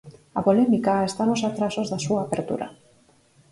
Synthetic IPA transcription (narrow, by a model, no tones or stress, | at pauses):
apolɛmikaest̪anosat̪ɾasozðasuaːpeɾt̪ṵɾa̰